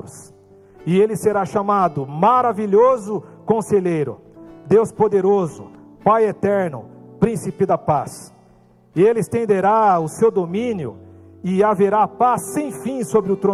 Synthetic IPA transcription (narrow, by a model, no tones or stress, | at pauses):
ʊs | ɪelɪseɾaʃamad̪ʊmaɾaviʎozʊkõseʎejɾʊ̰ | d̪ewspod̪eɾozʊ̰ | pajet̪ɛɾnʊ̰pɾĩsipɪd̪ɐpas | ɪelɪst̪ẽnd̪eɾaʊsewd̪omĩnjʊ̰ | ɪaveɾapasːẽj̃fĩsobɾɪʊt̪ɾõ